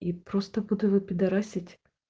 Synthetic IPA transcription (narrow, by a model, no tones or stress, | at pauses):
ipɾost̪əbud̪ʊvɨpʲɪd̪ɐɾasʲɪtʲ